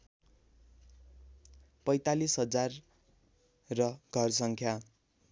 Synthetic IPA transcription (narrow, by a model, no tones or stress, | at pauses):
pʌjt̪alisɦʌd͡zar | rʌɡʱʌrsʌŋkʰja